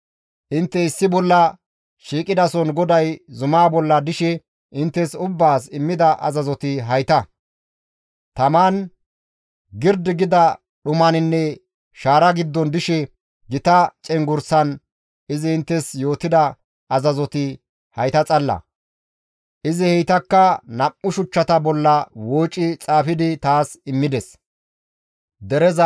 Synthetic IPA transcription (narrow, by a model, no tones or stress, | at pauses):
ʔɪnt̪ːɛɪsːɪbɔlːɐ | ʃiːkʼɪd̪ɐsɔnɡɔd̪ɐjzʊmaːbɔlːɐd̪ɪʃɛ | ʔɪnt̪ːɛsʊbːaːsɪmːɪd̪ɐʔɐ̰zɐzɔt̪ɪɦɐjt̪ɐ | t̪ɐmaːn | ɡɪɾd̪ɪɡɪd̪ɐ | ɗʊmɐnɪnːɛ | ʃaːɾɐɡɪd̪ːɔnd̪ɪʃɛ | ɡɪt̪ɐt͡ʃʼɛŋɡʊɾsɐn | ɪzɪɪnt̪ːɛsjo̞ːt̪ːɪd̪ɐ | ɐzɐzɔt̪ɪ | hɐjt̪ɐt͡sʼɐlːɐ̰ | ʔɪzɪhɛjt̪ɐkːɐnɐpːʊʃʊt͡ʃːɐt̪ɐbɔlːɐwoːt͡ʃʼːɪt͡sʼaːfɪd̪ɪt̪aːsɪmːɪd̪ɛs | d̪ɛɾɛzɐ